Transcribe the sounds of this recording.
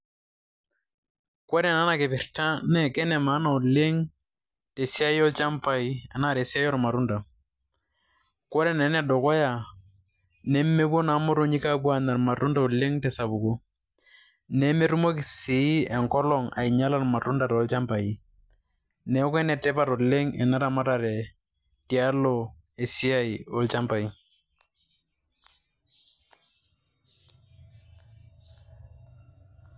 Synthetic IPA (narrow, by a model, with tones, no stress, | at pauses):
kɔ˦ɾɛ˨na˦na˨kɪ˨pɪ˨ɾta˦nɛ˨kɛ˦nɛ˨maː˨˦na˨u˨le˦ŋ | te˨si˦a˦jɔ˦lt͡ʃa˦mpa˨i˦a˨na˦˨ɾe˨si˦a˦jɔ˦ɾma˨ɾu˦nda˨ | kɔ˦ɾɛ˨nɛ˨˦nɛ˦dɔ˨kɔ˦ja˨ | nɛ˦me˦bo˦na˨˦mɔ˦ɾo˦ɲi˦ka˦bwa˨na˨ɾma˨tu˦nda˦˨u˨le˦ŋtɛ˨sa˨bu˨ko˦ | nɛ˦me˦ɾu˦mo˦kɪ˨si˨˦ɛ˨ŋkɔ˦lɔ˨ŋa̰˨i˨ɲa˦la˨rma˨tʊ˦nda˨ɾɔ˦lt͡ʃa˦mpa˨i˨ | nɛ˨˦kɛ˦nɛ˨tɛ˦pa˦ɾɔ˨le˦ŋɛ̰˨na˦ɾa˨ma˦ɾa˨ɾɛ˨ | ti˨a˦lɔ˨ | e˨si˦a˦i˨ɔ˦lt͡ʃa˦mba˨i˦